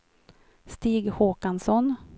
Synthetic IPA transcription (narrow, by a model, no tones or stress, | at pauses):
st̪iːɡhoːkansɔn